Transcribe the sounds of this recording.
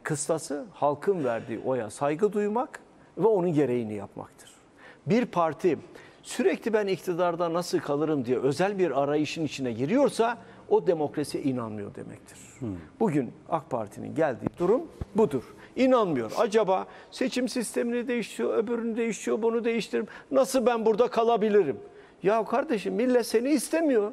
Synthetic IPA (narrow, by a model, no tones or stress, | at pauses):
kʰɯst̪asɯhalˠkʰɯnvæɾd̪ḭːʔo̞ja̰sajɡɯd̪ujmak | vɛo̞nunɟe̞ɾe̞jinija̰pma̰kt̪ʰɯ̥ɾ̥ | biɾpʰaɾt̪ʰi | syɾɛclʲibænict̪ʰid̪aɾd̪anasɯlˠkʰalˠɯɾɯmd̪ijɛʔøzælʲbiɾaɾajɯʃɯnit͡ʃʰinɛɟiɾijo̞ɾsa | o̞d̪e̞mo̞kɾasij̰ʔinanmɯjo̞̰ɾd̪e̞̰mɛ̰c̚t̪ʰiɾ̥b̥uɟyna̰kpʰa̰ɾt̪ʰinḭnɟælʲd̪ḭːd̪uɾumbud̪uɾ̥ | inanmɯjo̞̰ɾa̰d͡ʒabaː | se̞t͡ʃʰimsist̪ʰe̞minid̪e̞jiʃt̪ʰijo̞øbyɾynyd̪e̞jiʃt̪ʰijo̞ɾbunud̪e̞jiʃt̪ʰiɾimnasɯlˠbænbuɾd̪akʰalˠabilʲiɾim | jakʰaɾd̪eʃɯmːilʲːɛse̞niːst̪ʰemijo̞ɾ